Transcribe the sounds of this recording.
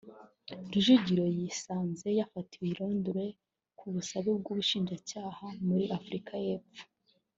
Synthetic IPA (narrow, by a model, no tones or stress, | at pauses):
ɡiʒuɟiɾo̞jisaːnze̞jafatiwiɾuːnduɾe̞ | kʰuβusaβib̚ɡuːβuʃiːnʒacaːhamuɾiʔafuɾikʰaje̞ːpp͡fu̥